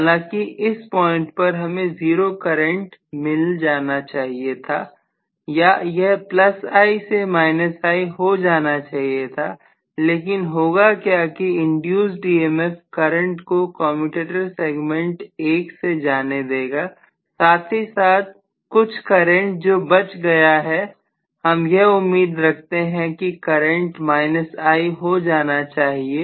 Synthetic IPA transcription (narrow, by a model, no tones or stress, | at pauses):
ɦaːlãːkiɪspɔ̃ːɪ̃ɳʈ̚pɐɾɦɐmẽziːɾokɐɾə̃ɳʈmɪld͡ʒaːnat͡ʃaːɦiet̪ʰaː | jajɛɦplɐsaːisemaːɪnəsaːiɦod͡ʒaːnat͡ʃaːɦijet̪ʰaː | leːk̬ɪnɦoːɡakjaːkiɪ̃ɳɖjuːzɖiːeːmɛfkɐɾə̃ɳʈkokɔ̃ːmpɪʈeːʈəɾseːɡmẽɳʈeːksed͡ʒaːned̪eːɡaː | saːt̪ʰɦisaːt̪̚ | kʊt͡ʃʰkɐɾə̃ɳʈ̚d͡ʒoːbɐt͡ʃɡɐjaɦɛ | hɐmjeɦʊmːiːd̪ɾɐkʰt̪eɦɛ̃kikɐɾə̃ɳʈmaːɪnəsaːiɦod͡ʒaːnat͡ʃaːɦieː